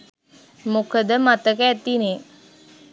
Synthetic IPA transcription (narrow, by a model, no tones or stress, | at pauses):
mokəd̪əmat̪əkəːt̪ine